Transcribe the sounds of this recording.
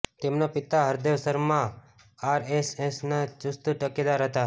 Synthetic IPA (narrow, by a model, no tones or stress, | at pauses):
t̪emnapɪt̪aɦəɾd̪eʋsəɾmã | aɾesesnad͡ʒʊst̪uʈəked̪aɾɦət̪a